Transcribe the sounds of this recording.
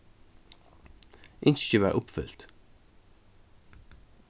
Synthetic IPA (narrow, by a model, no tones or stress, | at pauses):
ʔɪnsçəʋæ̰ːɹʔʊpfʏ̰l̥t̪